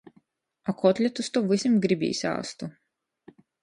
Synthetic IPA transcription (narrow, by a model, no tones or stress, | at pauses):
akɔt̪lʲɛt̪ust̪ɔvɨsʲimɡɾibʲḭːsʲa̰ːst̪u